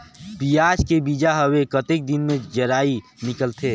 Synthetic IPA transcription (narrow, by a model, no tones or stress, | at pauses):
pijad͡ʒkebid͡ʒaɦəwekət̪ek̚d̪inmẽd͡ʒəɾaːinɪkəlt̪ʰe